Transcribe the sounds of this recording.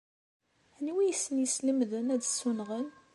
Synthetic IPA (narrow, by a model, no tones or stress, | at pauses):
æniwijəsːənjəsləmðənæd̪sːunʁən